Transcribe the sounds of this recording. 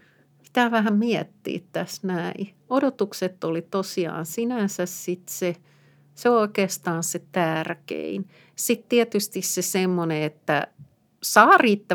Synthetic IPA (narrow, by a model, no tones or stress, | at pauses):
si̥t̪æːʋæhæmmiɛt̪ːḭːt̪t̪æsnæi | odot̪ukset̪ːolit̪osiɑ̰ːnsinænsæssit̪se | seoikeːst̪ɑːnset̪ærkḛin | sit̪t̪iɛt̪yst̪issesemːoneet̪ːæ̰ | sɑːriːt̪ːæ